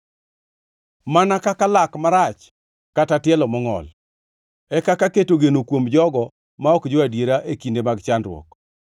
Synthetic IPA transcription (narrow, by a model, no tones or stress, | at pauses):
manakakalakmaɾat͡ʃ | katatɪɛlɔmɔŋɔ̰l | ɛkakaketoɡenokwomd͡ʒɔɡɔ | maɔkd͡ʒoadjeɾaʔekindemaɡt͡ʃandɾwɔ̰k